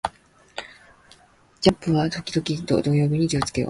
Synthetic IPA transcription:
d͡ʑapːɯ̟βat̪o̞kʲid̪o̞kʲit̪o̞̰d̪o̞jo̞ːbʲiɲ̟id͡ʑiot͡sɨ̥ke̞o̰

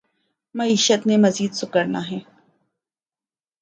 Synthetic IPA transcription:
mɐiːʃət̪nemɐziːd̪sʊkəɾna̰ɦɛː

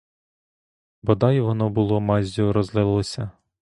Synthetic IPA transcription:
bɔd̪ɑjʋɔnɔbʊlˠɔmɑzʲuɾɔzlˠɪlˠlˠɔsʲɐ

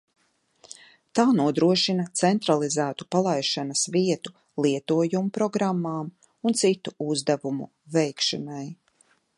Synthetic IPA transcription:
t̪aːnuɔd̪ɾuɔʃinɐt̪sɛnt̪ɾalˠizæːt̪u̥palˠajʃanɐsviɛt̪u̥ | lˠiɛt̪uɔjumupɾɔɡɾamːaːm | unt̪sit̪uuzd̪avumṵ | vɛjkʃunaj

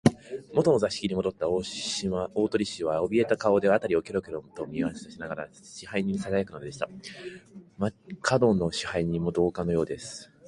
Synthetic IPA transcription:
mo̞t̪o̞no̞zaɕi̥kʲiɲ̟imo̞d̪o̞t̪ːaao̞ːt̪o̞ɾʲiɕiβao̞bʲie̞t̪akao̞d̪e̞at̪aɾʲio̞ke̞ɾo̞keɾõmt̪o̞mʲiβase̥saɕinaɡaɾa̰ | ɕihaiɲ̟ĩsaɡajakɯ̟nod̪e̞ɕi̥t̪a | makʰad̪o̞nːo̞ɕi̥haiɲ̟ĩmo̞d̪o̞ːkano̞jo̞ːd̪e̞sɨ̥

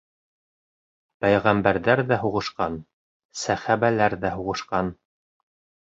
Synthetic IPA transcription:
pæjʁæmbæɾðæɾðæɦuʁɤ̆ʃqɑn | sæχæβælæɾðæɦuʁɤ̆ʃqɑn

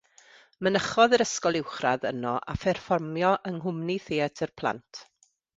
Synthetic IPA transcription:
mənəχɔðəɾəskɔlˠɪwχraðə̰nɔʔa̰fɛrfɔrmjɔʔəŋɦʊmniθeːɛtʰərpʰlˠa̰ntʰ

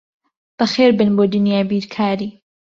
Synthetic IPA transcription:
b̥ɐxeːɾbɨnboːd̪ʊnjaːbiːɾkʰaːɾiː

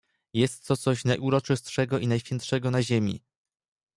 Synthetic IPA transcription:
jɛst̪ːɔt̪sɔɕnajʔuɾɔt͡ʂɘst̪ʂɛɡɔʔinajɕfʲjɛntʂɛɡɔnaʑemʲḭ

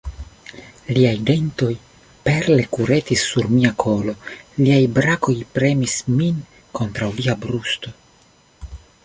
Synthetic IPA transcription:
liajde̞nto̞j | peɾle̞kuɾe̞t̪isːuɾmiakʰo̞lo̞liajbɾako̞jpɾe̞mismin | ko̞nt̪ɾawliabɾust̪o̞

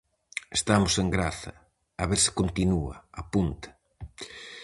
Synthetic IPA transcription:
est̪amʊseŋɡɾaθɐ | aβeɾsɪ̥kont̪inuɐ̰apunt̪ḁ

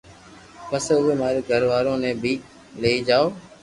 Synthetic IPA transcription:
pəsʊʋeːmaːɾeːɡʱəɾʋaːɾõːnẽːbiːk | leːiːd͡ʒaːoː

